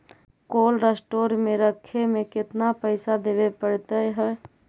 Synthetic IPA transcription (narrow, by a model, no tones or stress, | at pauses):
koːlɾesʈoːɾmẽɾəkʰemẽkɪt̪napəɪsad̪eʋepəɽt̪əɦɛ